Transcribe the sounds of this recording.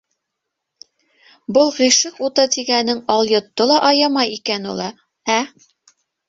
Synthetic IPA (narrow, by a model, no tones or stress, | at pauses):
bolˠʁiʃɤqut̪ɤt̪iɡænːɘŋɑlˠjŏt̪ːolˠɑʔɑjɑmɑjikænulˠɑ | æ